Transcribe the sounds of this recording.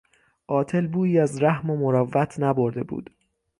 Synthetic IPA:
ʔɒːt̪ʰe̞lbuːiːæzɾæhmomoɾɒvːæt̪ʰnæboɾd̪e̞bṵːd̪̥

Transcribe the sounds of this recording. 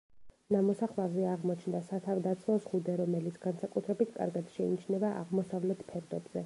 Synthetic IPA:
namɔsaχlˠavzɛaʁmɔt͡ʃʰnd̪asat̪ʰavd̪at̪sʰlˠɔsʁud̪ɛɾɔmɛlit̪sʰɡ̥ansakʼut̪ʰɾɛbit̪ʰkʼa̰ɾɡad̪ʃɛinit͡ʃʰnɛbaʔa̰ʁmɔsavlɛt̪ʰpʰɛɾd̪ɛbz̥ɛ

